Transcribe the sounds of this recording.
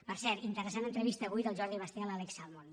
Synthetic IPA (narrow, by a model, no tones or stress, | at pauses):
pəɾsɛt̪int̪əɾəsanənt̪ɾəβist̪əβujt̪əlˠʒɔɾðimast̪ialaleksalmon